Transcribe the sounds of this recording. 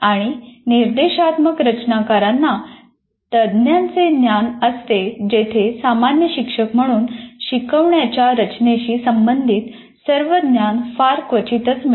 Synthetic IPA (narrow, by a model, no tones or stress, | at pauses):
aɽ̃iniɾd̪eɕat̪məkɾət͡ɕnakaɾanːa | t̪əd̪njãnt͡senjanəst̪ed͡ʑet̪ʰesamanjəɕikʂəkm̤əɽ̃uːnɕikəʋɳjat͡ɕjaɾət͡ɕneɕiːsəmbənd̪ʱiːt̪ | səɾʋəd̪njanfaɾkʋət͡ɕit̪ət͡sm